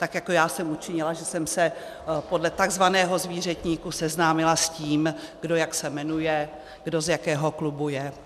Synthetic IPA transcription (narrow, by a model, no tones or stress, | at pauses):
t̪akjakojaːsɛmut͡ʃɪɲɪlaʒɛsɛmsɛ | po̞dlɛt̪aɡzvanɛːɦo̞zviːr̝ɛt̪ɲiːkusɛznaːmɪlasciːmɡ̥do̞jaksɛmɛnujɛ | ɡdo̞zjakɛːɦoklubujɛ